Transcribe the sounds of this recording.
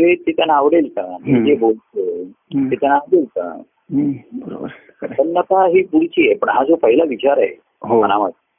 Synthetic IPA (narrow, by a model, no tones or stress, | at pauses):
ʋet̪et̪janaʋɽelt̪amid͡ʑebolt̪e | t̪et̪janaʋɽeltə̰ | bəɾo̰bəɾ | pənːət̪aɦiːpuɽt͡ɕiːepəɳɦad͡zopəɦilaʋit͡ɕaɾaɦḛ | ɦoənamət̪̚